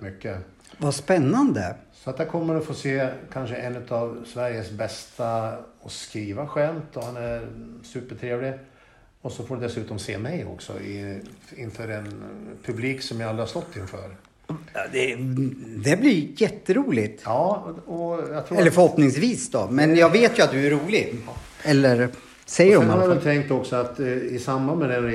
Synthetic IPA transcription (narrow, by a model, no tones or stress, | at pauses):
mʏkːə | vaspɛnːand̪əsɔat̪̚d̪æɾkʰɔmːəɾɔfoːseːkʰanʂəʔɛnːɵ̟t̪avsvæɾjəsbɛst̪aɔskɾiːvaɧɛmt̪ɔhanæɾsʉ̟ːpəʈʰɾeːvlɪ | ɔsɔfoːɖɛd̪ɛsʉ̟ːt̪ɔmsḛːmɛjɔ̰ksɔ̰ | ɪnfœːɾɛnpʰɵbliːksɔmjahald̪ɾast̪ɔt̪ʰːɪnfœ̰ːɾ | d̪ɛ | d̪ɛblɪjɛt̪ːəɾuːlɪt̪jɑːɔjɑt̪ʰɾuɛlːəɾfœɾhɔpnɪŋsviːsd̪ɔmɛnjɑːɡveːt̪jɵat̪̚d̪ɵæɾuːlɪɡɛlːəɾ | sɛjːəɾɔmanhaɛt̪ʰɛŋk̚t̪ɔksɔat̪ɪsamːanmɛd̪ɛn